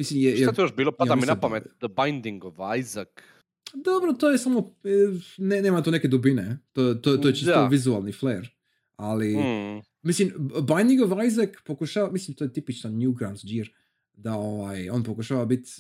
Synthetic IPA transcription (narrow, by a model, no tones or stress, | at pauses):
mislimjɛjɛat̪ijoʃbiːlopad̪aminapamet̪d̪əbajnd̪iŋɡoʋajzak | d̪obɾot̪oːjesamo | neneːmat̪oneked̪ubinet̪ojt̪ot̪ojet͡ʃisoʋizualˠnifleɾ | ali | mislimbajnd̪iŋɡoʋajzakpokuʃaːʋamislimt̪ojet̪ipit͡ʃnanjuɡɾand͡ʒiɾ | d̪aoʋajonpokuʃaːʋabit̪ʲ